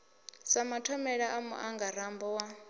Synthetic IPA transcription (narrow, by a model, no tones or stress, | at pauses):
samatʰɔmɛɺaʔamṵʔaŋɡaɾambɔwa